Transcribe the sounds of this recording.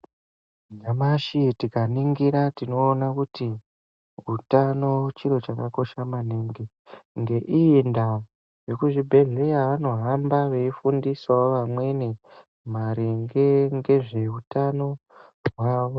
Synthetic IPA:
ɲamaʃitikaniŋɡiɾatino̞ːnakuti | utano̞t͡ʃiɾo̞t͡ʃakako̞ʃamaniŋɡi | ŋɡe̞ʔiːnda | ʐe̞kuʐibʱe̞ɮejaʋano̞ɦambaʋe̞ifundiswaʋamwe̞ni | maɾiŋɡeŋɡe̞ʐe̞utano̞ | ɦwaːʋo

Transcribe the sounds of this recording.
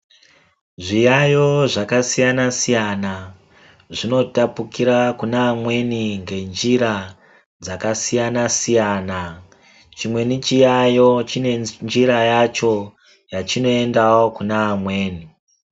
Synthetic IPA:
ʐijajo̞ʐakasijanasijana | ʐino̞tapukiɾakunaːmwe̞niŋɡe̞nd͡ʒiɾa | d͡zakasijanasijana | t͡ʃimwe̞nit͡ʃijajo̞t͡ʃine̞nd͡ʒiɾajat͡ʃo̞ | jat͡ʃino̞e̞ndawokunaːmwe̞ːni

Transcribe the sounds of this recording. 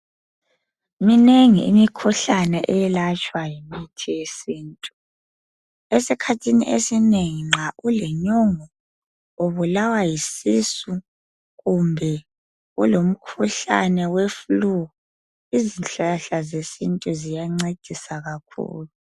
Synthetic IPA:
mineŋḭːmikʰuɬanɛʔɛɛlat͡ʃʼwajimitʰijesiːntʼu | esikʰatʰinḭʔesineŋiŋ͡ǁʱaʔulɛɲɔŋɔ | oβulawajisisu | ɣumbʱɛ | ṵlom̩kʰuɬa̰nɛwefluɣu | izinɬaɬazesintʼuzijaŋ͡ǀed̥ʱisaɣakʰṵːlu

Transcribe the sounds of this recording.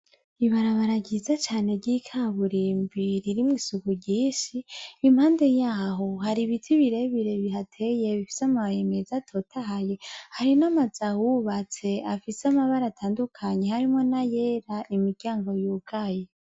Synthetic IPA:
iβaɾaβaɾaɟizat͡ʃaːne̞ɟikʰaβuɾiːmbiɾiɾimŋwiːsuɡuɟiːʃiːmhaːndejaːɦo̞haɾiβitʰiβiɾe̞βiɾe̞βihatʰeje̞βifi̥samaβajeme̞zatʰo̞ːtʰaɦaje̞haɾinamaz̥ahuβat͡se̞afisamaβaɾatʰaːndukʰaɲe̞haɾimŋo̞naje̞ɾaʔimiɾɟaːŋɡo̞juːɡaje

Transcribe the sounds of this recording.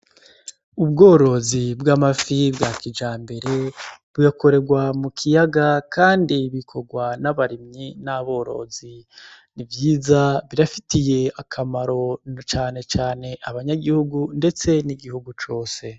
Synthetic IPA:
ubɡo̞ːɾo̞zibɡamafibɡakid͡ʒaːmbe̞ɾe̞βujako̞ɾe̞ɡwamukʰijaɡakaːndiβikʰo̞ɡwanaβaɾimɲinaβo̞ːɾo̞̰zinivjiːzaβiɾafitije̞akʰamaɾo̞t͡ʃaːne̞t͡ʃaːne̞ʔaβaɲaɡihuɡunde̞t͡se̞niɡihuɡut͡ʃo̞ːse̞

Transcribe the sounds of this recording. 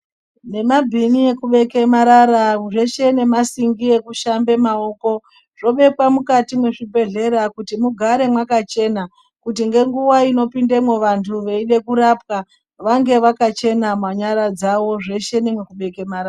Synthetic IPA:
ne̞mabʱinie̞kuɓe̞ke̞maɾaɾaʐe̞ʃe̞ne̞masiŋɡie̞kuʃambe̞mao̞ko̞ | ʐ̥o̞ɓe̞kwamukatimwe̞ʐibʱe̞ɮe̞ɾakutimuɡʱaɾe̞mwakat͡ʃe̞na | kut̬iŋɡe̞ŋɡuwaino̞pindemweʋantʰuʋeiɗe̞kuɾap̚ka | ʋaŋɡe̞ʋakat͡ʃe̞namwaɲaɾad͡zaʋo̞ʐe̞ʃe̞nemwekuɓe̞kemaɾaː

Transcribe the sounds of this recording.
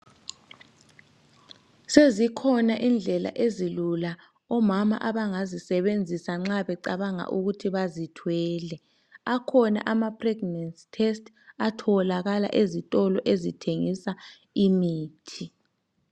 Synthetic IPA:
sezikʰɔnaʔind͡ɮʱɛla̰ʔezilula | ɔmama̰ʔaβaŋazisɛβend͡zʱisaŋ͡ǁaβɛǀaβaŋa̰ʔuɣutʰiβazitʰwɛːlɛ | akʰɔna̰ʔamapʰrɛɡnansi̥tʰɛstʰ | atʰɔlaɣala̰ʔezitʼɔlɔʔezitʰeŋisa | imiːtʰi

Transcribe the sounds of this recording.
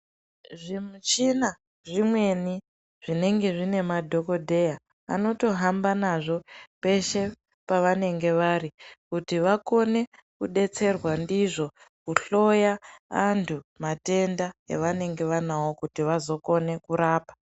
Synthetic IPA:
ʐimut͡ʃina | ʐimwe̞ni | ʐ̥ine̞ŋɡe̞ʐine̞madʱo̞ko̞dʱe̞ja̰ː | no̞to̞ɦambanaʐo̞pe̞ʃe̞ | paʋane̞ŋɡe̞ʋaɾikutiʋako̞ne̞ | kuɗe̞t͡se̞rwandiʐo̞ | kuɬo̞jaantʰumate̞ndaḛʋane̞ŋɡe̞ʋanawo̞kutiʋazo̞ko̞ne̞kuɾaːpḁ

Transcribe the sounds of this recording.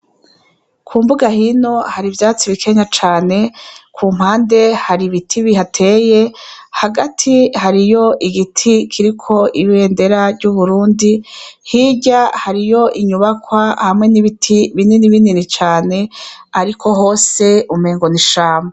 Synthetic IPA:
kʰuːmbuɡahino̞haɾivjaːt͡siβikʰe̞ɲat͡ʃaːne̞kʰuːm̥haːnde̞haɾiβitʰiβihatʰe̞ːje̞haɡatʰihaɾijo̞ʔiɡitʰikʰiɾikʰo̞ʔiβiwe̞ːnde̞ɾavɟuβuɾuːndihiɟahaɾijo̞ʔiɲuβakwahamŋe̞niβitʰiβininiβininit͡ʃaːne̞aɾikʰo̞ɦo̞ːse̞ume̞ːŋɡo̞niʃaːma

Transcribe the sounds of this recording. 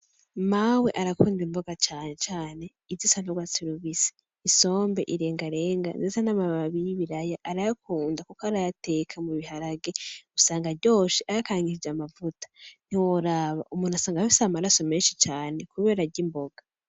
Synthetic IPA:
mawe̞ʔaɾakuːndimbo̞ɡat͡ʃaːne̞t͡ʃaːne̞ | izisanoɡwat͡siɾuβise̥ | iso̞ːmbe̞̰ʔiɾe̞ːŋɡaɾe̞ːŋɡanzesanaβaβaβijiβiɾajaʔaɾajakʰuːndakokaɾajate̞ːkʰamuβihaɾaɡe̞usaːŋɡaɟo̞ːʃiʔajakaŋɡiɾid͡ʒamavutḁn̥iwoɾaβa̰ʔumuːn̥hasaːŋɡahisamaɾaso̞meːnʃit͡ʃaːne̞kuβe̞ːɾaɾɟimbo̞ɡ̥a

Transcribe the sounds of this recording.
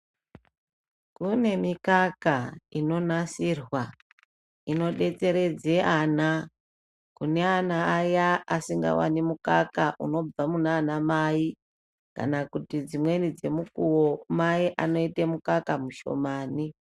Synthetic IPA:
kune̞mikakaino̞nasiːrwa | ino̞ɗe̞t͡se̞ɾe̞d͡ze̞ʔana | kune̞anaːjaasiŋɡa̰wa̰nimuka̰kaʔṵno̞b͡vamunaːnamai | ka̰nakutid͡zimwe̞nid͡ze̞mukuwomaiʔano̞itemukakamuʃo̞̰maːni

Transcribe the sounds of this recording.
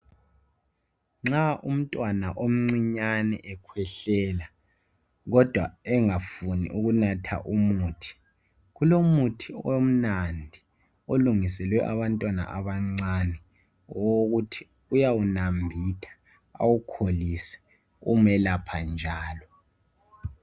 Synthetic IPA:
ŋ͡ǁaʔum̩tʼwanaʔom̩ŋ͡ǀiɲanɛ̰ʔɛkʰwɛɬɛːla | ɣɔd̥ʱwaɛŋafunḭʔuɣunatʰa̰ʔumuːtʰi̥ | ɣulomutʰiom̩nandʱi | oluŋisɛlwɛʔaβantʼwana̰ʔaβaŋ͡ǀanɛ | woɣutʰi̥ | ujawunambʱitʰḁ | a̰wukʰolisɛ̥ | ṵmɛlapʰand͡ʒʱaːlɔ

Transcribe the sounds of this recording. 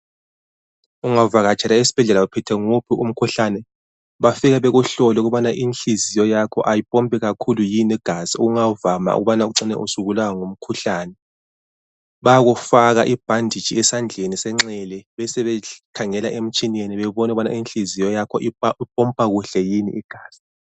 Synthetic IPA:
uŋavaɣat͡ʃʰʼɛlaesi̥b̥ʱɛɮɛlaupʰɛtʰɛŋupʰiʔum̩kʰuɬanɛ | βafiɣɛβɛɣuɬɔlɔɛuɣuβanaʔinɬizijɔjakʰɔ̰ʔajib̥ʼʱɔmbʼʱɛɣakʰulujiniɡ̥ʱaziṵɣuŋavama̰ṵɣuβanauǀinɛ̰ʔusuɣulawaŋum̩kʰuɬaːnɛ | βaaɣufaɣaʔib̥ʱandʱid̥t͡ʃiɛsand͡ɮʱenisɛŋ͡ǁɛlɛβɛsɛβɛkʰaŋɛlaʔem̩t͡ʃʼinieniβɛβɔnɛɣuβanainɬizijɔjakʰɔʔiib̥̚ʱɔmpʼaɣuɬɛjinḭʔiɡ̥ʱaːz̥i̥

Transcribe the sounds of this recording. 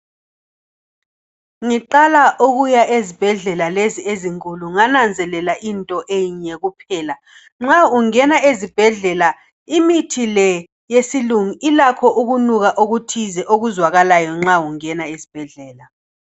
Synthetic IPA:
ŋiǃalaʔoɣujaʔezib̥ʱɛɮɛlalezieziŋkʼuluŋanand͡zʱɛlɛlaʔintʼɔʔejiɲɛɣupʰɛːla | ŋ͡ǁauŋɛnaezib̥ʱɛɮɛla | imitʰilɛ | jesiluŋiilakʰɔʔuɣunuɣaʔoɣutʰizɛʔoɣuzwaɣalajɔŋ͡ǁauŋɛnaezib̥ʱɛɮɛːla

